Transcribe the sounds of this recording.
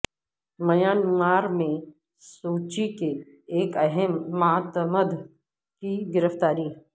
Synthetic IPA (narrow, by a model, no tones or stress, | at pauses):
mɐjaːnmaːɾmẽ | suːt͡ʃike | eːkɐɦɛmːaːt̪məd̪ʱ | kiɡɪɾəft̪aːɾiː